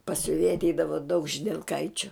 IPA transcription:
pɐs sʲʊˈʋʲeːjɛ ɐtʲˈɛɪdɐʋoː dɐʊk ʒʲɪdʲɛlˠˈkɐɪt͡ʃʲʊ

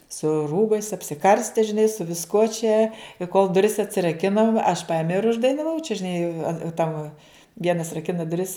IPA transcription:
sʊ ˈruːbɐɪs ɐpʲsʲɪˈkɐrʲsʲtʲɛ ʒʲɪˈnɐɪ sʊ ʋʲɪsˈkuɔ t͡ʃʲɛ ɪ koːlˠ dʊˈrʲɪs ɐtʲsʲɪrɐˈkʲɪnoːm ɐʃ ˈpɐɪmʲɛʊ ɪr ʊʒdɐɪnɐˈʋɐʊ t͡ʃʲɛ ʒʲɪˈnɐɪ ɐn tɐm ˈʋʲiɛnɐs rɐˈkʲɪnɐ dʊˈrʲɪs

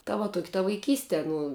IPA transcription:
tɐ ʋɐ ˈtuɔkʲɪ tɐ ʋɐɪˈkʲiːsʲtʲɛ ˈnʊ

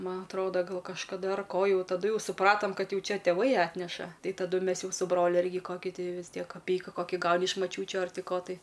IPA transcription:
ˈmɐn ɐtˈroːdɐ ˈɡɐlˠ kɐʃkɐˈdɐ ɐr ˈkoː ˈjɛʊ tɐˈdʊ jɛʊ sʊˈprɑːtɐm ˈkɐt ˈjɛʊ ˈt͡ʃʲɛ tʲeːˈʋɐɪ ˈɑːtʲnʲɛʃɐ ˈtɐɪ tɐˈdʊ ˈmʲɛs ˈjɛʊ sʊ ˈbroːlʲʊ ˈɪrʲɡʲɪ ˈkoːkʲɪ ˈtɐɪ ʋʲɪs ˈtʲiɛk kɐˈpʲɛɪkɐ ˈkoːkʲɪ ˈɡɐʊnʲɪ ɪʃ mɐˈt͡ʃʲuːt͡ʃʲʊ ɐr ˈtʲɪ ˈkoː tɐɪ

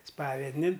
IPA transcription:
ˈspɑːʋʲɛdʲnʲɪn

